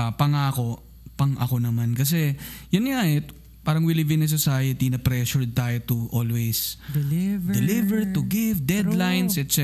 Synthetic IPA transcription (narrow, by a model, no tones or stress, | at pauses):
pɐŋaːko̞ | pɐŋʔɐ̰ko̞nɐmankɐs̬ɛjʊnŋaʔɛ | paːɾɐŋwɪlɪvɪnɐs̬osaːjɐt̪inɐpɾɛʃʊɹt̪aːjot̪ʊʔo̰lwejs | d̪ɛlɪvɛɹt̪ʊɡɪvd̪ɛd̪lajnsɛt̪sɛ